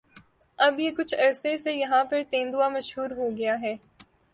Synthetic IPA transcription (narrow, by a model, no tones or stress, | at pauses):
ɐbjekʊt͡ʃʰɐɾsesejɐɦãpɐɾt̪ẽːnd̪uamɐʃɦuːɾɦoɡɐjaɦɛː